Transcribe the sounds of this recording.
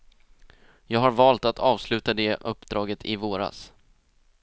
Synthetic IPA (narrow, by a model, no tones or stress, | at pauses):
jɑːɡɦaɾvɑːlt̪at̪ʰɑːvslʉ̟ːt̪ad̪ɛʔɵpːd̪ɾɑːɡət̪ʰɪvoːɾa̰s